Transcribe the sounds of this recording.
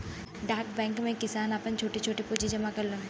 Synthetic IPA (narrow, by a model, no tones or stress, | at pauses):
ɖaːɾk̚bɛ̃ːŋkmẽkɪsaːnapənt͡ʃʰoːʈit͡ʃʰoːʈipuːd͡ʒid͡ʒɐmakɐɾlũːn